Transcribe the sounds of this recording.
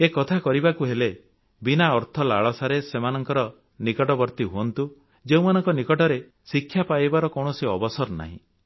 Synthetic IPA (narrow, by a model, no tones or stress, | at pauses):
ekɔt̪ʰakɔɾibakuɦele | binaɔɾt̪ʰɔla̰ɭɔsaɾesemanɔŋkɔɾɔ | nikɔʈɔbɔɾt̪iɦuɔnt̪u | d͡ʒeumanɔŋkɔnikɔʈɔɾe | sikʰːjapajbaɾɔkɔwɽ̃ɔsiɔbɔsɔɾna̰ɦḭ̃